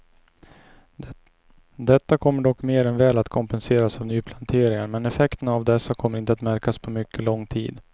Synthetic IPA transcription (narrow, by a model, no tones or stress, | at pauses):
d̪ɛt̪ːakʰɔmːəɖɔkːmeːɾɛnvɛːlat̪kʰɔmpɛnseːɾasavnyːpʰlant̪ʰeːɾɪŋaɾmɛnɛfɛkt̪ənavd̪ɛsːakʰɔmːəɾɪnt̪əat̪mæɾkaspʰɔmʏkʰːəlɔŋːt̪ʰḭːd̪